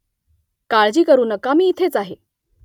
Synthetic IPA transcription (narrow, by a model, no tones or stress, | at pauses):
kaɭd͡ʑiːkəɾuːnəkːamiːt̪ʰet͡saɦe